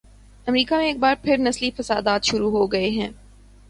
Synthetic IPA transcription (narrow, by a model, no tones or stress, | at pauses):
ɐmɾiːkamẽeːk̚baːɾpʰɪɾnɐslifɐsa̰ːd̪aːt̪ʃʊɾuɦoɡɐeɦɛ̃ː